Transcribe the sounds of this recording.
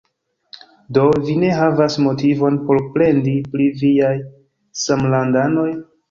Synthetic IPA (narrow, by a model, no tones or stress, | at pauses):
do̞vine̞ɦavasmo̞tivo̞npo̞ɾpɾe̞ndipliviaj | samlandano̞j